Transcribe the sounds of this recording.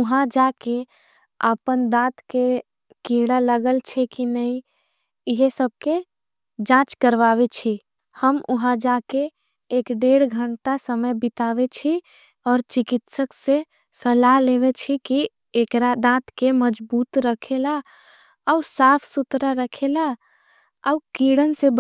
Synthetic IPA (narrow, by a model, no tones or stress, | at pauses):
ʊɦãd͡ʒake | əpənd̪ãːt̪ke | keɽaləɡəlt͡ʃʰɛkinəĩ | ɪɦesəb̚ke | d͡ʒãːt͡ʃkəɾʋaʋet͡ʃʰi | həmʊɦãd͡ʒakeː | kɖeɽɡʱəɳʈasəməjbit̪aːʋet͡ʃʰi | ɔːɾt͡ʃikit̪səkse | səlaɦleʋet͡ʃʰiki | ekɾad̪ãːt̪keməd͡ʒbuːt̪ɾəkʰela | əusaːpʰsʊt̪ɾaɾəkʰela | əukiɽənseb